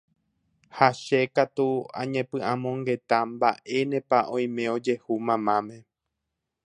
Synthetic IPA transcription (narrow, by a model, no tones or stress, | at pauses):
haʃe̞kat̪uã̰ɲẽpɨ̃ʔãmõ̞ŋɡe̞t̪amba̰ʔe̞nẽ̞paʔõ̞j̃mẽ̞o̞d͡ʒe̞humãmãmẽ̞